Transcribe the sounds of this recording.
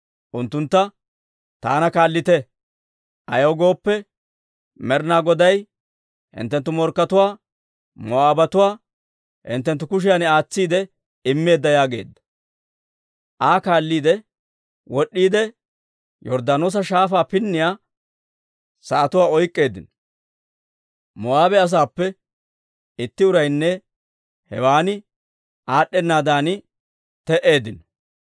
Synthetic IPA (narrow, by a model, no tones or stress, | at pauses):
ʔʊnt̪ːʊnt̪ːɐ | t̪a̰ːnɐkaːlːɪt̪ɛ | ʔɐjoːɡo̞ːpːɛ | mɛɾnaːɡɔd̪ɐj | hɪ̰nt̪ːɛnt̪ːʊmɔɾkːɐt̪ʊwaː | mɔaːbɐt̪ʊwaː | hɪ̰nt̪ːɛnt̪ːʊkʊʃ̬ɪjanɪaːt͡sːiːd̪ɛ | ɪmːe̞ːd̪ːɐjaːɡe̞̰ːd̪ːɐ̥ | ʔaːkaːlːiːd̪ɛ | wɔɗːiːd̪ɛ | jɔɾd̪aːnoːs̬ɐʃaːfaːpɪnːɪjaː | sɐːt̪ʊwaːɔjkʼːe̞ːd̪ɪnɔ | mɔaːbɛɐs̬aːpːɛ | ɪt̪ːɪʊɾɐjnːɛ | hɛwaːnɪ | ʔaːɗːɛnːaːd̪aːnɪ | t̪ɛʔe̞ːd̪ɪnɔ̥